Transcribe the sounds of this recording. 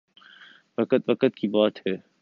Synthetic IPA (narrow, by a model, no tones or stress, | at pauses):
ʋɐkət̪ʋɐkət̪kʰibaːt̪ɦɛː